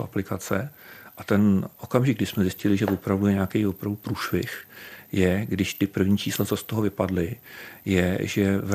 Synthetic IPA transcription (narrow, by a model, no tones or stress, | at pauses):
ʔaplɪkat͡sɛʔat̪ɛnʔokamʒɪɡdɪʃsmɛzɪscɪlɪʒɛvopɾavdujɛɲeaːkɛjvopɾavdupɾuːʃvɪxjɛɡdɪʃt̪ɪpr̩vɲiːt͡ʃʰiːslat͡sost̪oɦovɪpadlɪjɛʒɛv